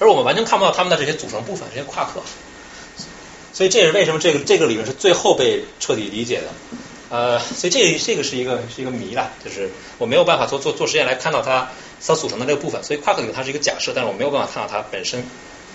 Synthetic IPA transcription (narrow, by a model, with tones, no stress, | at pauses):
ə˧˥wɔ˨˩m˦nwa˧˥nt͡ɕʰɛ˧˥nkʰp̪ɑ˥˩t̪ʰə˨nd̪ə˧ʈ͡ʂɤ˥˩ɕjɛ˥t͡su˨˩ʈ͡ʂʰɤ˧˥ŋpu˥˩fə˩nʈ͡ʂɤ˥˩ɕɛ˥kʰwa˥˧kʰɤ˥˩ | swɔ˧˥i˨˩ʈ͡ʂɤ˥˩ə˨˩ʂɻ̩˥˧we˥˩ɪʂə˧˥mə˧ʈ͡ʂɤ˥˩ɡə˩ʈ͡ʂɤ˥˩ɡə˩li˨˩ɻə˧˥ʂɻ̩˥˧t͡swe˥˧ɪxo˥˧ʊpe˥˧ɪʈ͡ʂʰɤ˥˩t̪i˨˩li˧˥t͡ɕjɛ̰˨˩d̪ə˦ | ə˧swɔ˧˥i˨˩ʈ͡ʂɤ˥˩˧ʈ͡ʂɤ˥˩ɡə˩ʂɻ̩˥˩i˧˥ɡə˧ʂɻ̩˥˩i˧˥ɡə˧mi˧˥lɐ˧t͡ɕjo˥˧ʊʂɻ̩˥˩ | wɔ˨˩me˧˥ɪo˨˩ʊpa˥˩fa˨˩t͡swɔ˥˧t͡swɔ˥˧t͡swɔ˥˩ʂɻ̩˧˥jɛ˥˩nla˧˥ɪkʰa˥˧nt̪ɑ˥˩ʊt̪ʰa˥ | st͡su˨˩ʈ͡ʂʰɤ˥d̪ə˧ʈ͡ʂɤ˥˩ɡə˧pu˥˩fə˩nswɔ˧˥i˨˩kʰa˥˧kɤ˥˩i˨˩˥ʂ̩˥˩˧ɡt͡ɕja̰˨˩ʂɤ˥˩t̪a˥˧ɻ̩˥˩˨ʊ˥˩a˨˩kʰt̪ɑ˥˩a˥pə˨˩nʂə˥n